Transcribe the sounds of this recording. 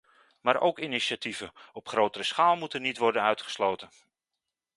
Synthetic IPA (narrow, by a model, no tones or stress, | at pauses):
maːɾʔo̰wkiniʃatʰivəɔpχrowtərəsχaːlˠmutənitʋɔrdənœɥtχə̥slowtən